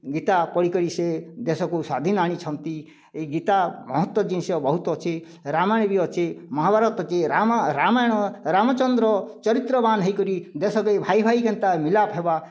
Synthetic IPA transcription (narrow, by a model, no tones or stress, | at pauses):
ɡit̪apɔɽikɔɾised̪esɔkusad̪ʱinaɽ̃it͡ʃʰɔnt̪i | eɡit̪amɔɦɔt̪wɔd͡ʒinsɔbɔɦut̪ɔt͡ʃʰe | ɾamaj̃biɔt͡ʃemɔɦabʱaɾɔt̪ɔt͡ʃeɾaɾamajɽ̃ɔɾamɔt͡ʃɔnd̪ɾɔt͡ʃɔɾit̪ɾɔbanɦəjkɔɾid̪esɔkɔjbʱaibʱajkent̪amilapʰeba